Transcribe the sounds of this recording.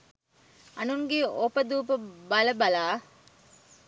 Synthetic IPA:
ɐnuŋɡeopɐd̪uːpɐbɐlɐbɐlaː

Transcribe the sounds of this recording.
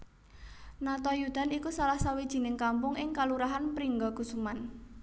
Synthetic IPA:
nat̪ɔjud̪̥a̤nikusalahsawid̥ʒ̥i̤nɪŋkampʊŋɪŋkaluɾaɦanpɾiŋɡɔɡ̥ṳsuman

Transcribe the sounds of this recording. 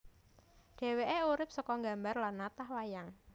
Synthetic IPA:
ɖ̥e̤weʔeuɾɪp̚sɔkɔŋɡa̤mbarlanːat̪ahwajaŋ

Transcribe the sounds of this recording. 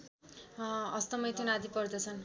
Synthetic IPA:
ʌst̪ʌmʌjt̪ʰunad̪ipʌrd̪ʌt͡sʰʌn

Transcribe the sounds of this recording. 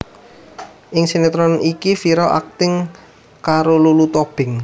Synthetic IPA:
ʔɪŋsenet̪ɾɔnikifiɾɔʔa̰k̚t̪ɪŋ | kaɾolulut̪ob̥ɪ̤ŋ

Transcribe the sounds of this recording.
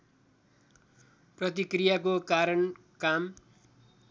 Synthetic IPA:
prʌt̪ikrijakokaɾʌn | kam

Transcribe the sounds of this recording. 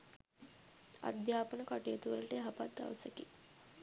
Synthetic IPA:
a̰d̪jaːpənəkaʈijət̪uʋəlɐʈeɦapat̪d̪a̰ʋɐsəki

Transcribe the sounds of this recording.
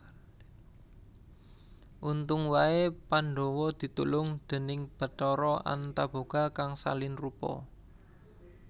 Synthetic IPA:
ʔunt̪ʊŋwaepanɖɔ̤wɔd̪̥i̤t̪ṵlʊŋd̪̥e̤nɪŋb̥ə̤t̪ɔɾɔa̰nt̪ab̥o̤ɡ̥a̤kaŋsa̰lɪnrupɔ̰

